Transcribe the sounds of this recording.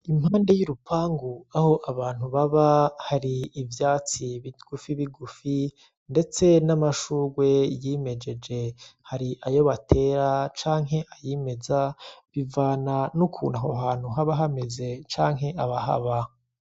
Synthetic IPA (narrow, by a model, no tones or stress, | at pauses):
imhaːnde̞juɾupaːŋɡuaho̞ʔaβaːn̥huβaβahaɾiːvjaːt͡siβiɡ̥ufiβiɡufi | nde̞t͡se̞namaʃuːɡwe̞jime̞d͡ʒe̞d͡ʒe̞haɾiʔajo̞βatʰe̞ːɾat͡ʃaːŋɦe̞ʔajiːme̞zaβivaːnanukʰṵːnaɦoɦaːn̥huɦaβaɦame̞ze̞t͡ʃaːŋɦe̞ʔaβaɦa̰βa